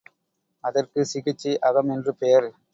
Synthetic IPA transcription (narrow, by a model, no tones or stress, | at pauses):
ɐðɐrkɯsɪɣɪt͡ʃːiʔɐɣɐmɛndrɯpɛjɐɾ